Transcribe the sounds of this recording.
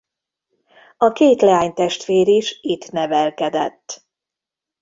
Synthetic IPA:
ɒkeːt̪lɛaːɲt̪ɛʃt̪ʋeːɾiʃit̪nɛvɛlkɛd̪ɛ̰t̪ː

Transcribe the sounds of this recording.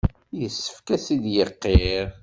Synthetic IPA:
jəsːə̥fkæsid̪jəqːeɾ

